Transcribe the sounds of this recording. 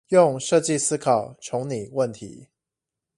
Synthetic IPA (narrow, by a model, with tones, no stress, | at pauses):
jʊ˥˨ŋʂɤ˥˧t͡ɕi˥˨sɹ̩˥kʰɑ˨˩ʊʈ͡ʂʰʊ˧˥ŋni˨˩wə˥˩nt̪ʰḭ˨˧˦